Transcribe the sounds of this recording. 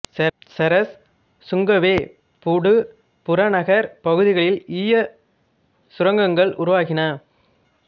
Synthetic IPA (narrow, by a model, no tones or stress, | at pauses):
sɐɾɐs | sʊŋɡɐʋeː | pʊɽɯ | pʊɾɐnɐɣɐɾpɐɣɯðɪɣɐɭɪliːjɐ | sʊɾɐŋɡɐŋɡɐɭʔʊ̰ɾʊʋaːɣɪnaː